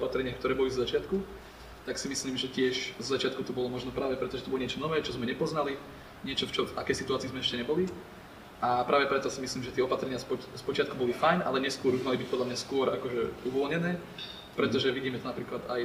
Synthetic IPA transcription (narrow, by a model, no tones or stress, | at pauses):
ɔpat̪ɾɛɲɪaxkt̪ɔɾɛːbɔlizɔzat͡ʃɪat̪ku | t̪aksimisliːmʒɛcɪɛʃzɔzat͡ʃɪat̪̚kut̪ɔbɔlɔmɔʒnɔpɾaːʋɛpɾɛt̪ɔʒɛt̪ɔbɔlɔɲɪɛt͡ʃɔnɔʋɛːt͡ʃɔzmɛɲɛpɔznali | ɲɪɛt͡ʃɔft͡ʃɔvakɛjsit̪uaːt͡siːzmɛɛʃcɛɲɛbɔli | ʔapɾʔaːʋɛpɾɛt̪ɔsimisliːmʒɛt̪ɪɛɔpat̪ɾɛɲɪaspɔspɔt͡ʃɪat̪̚kubɔlifajnʔa̰lɛɲɛskʊɔɾuɣmalibic̚pɔd̪ʎamɲaskʊɔɾakɔʒɛuʋɔlɲɛnɛː | pɾɛt̪ɔʒɛʋiɟiːmɛt̪ɔnapɾiːklad̪aj